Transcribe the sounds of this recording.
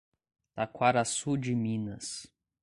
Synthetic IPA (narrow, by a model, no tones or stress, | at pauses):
lakwaɾasud͡ʒɪmĩnɐs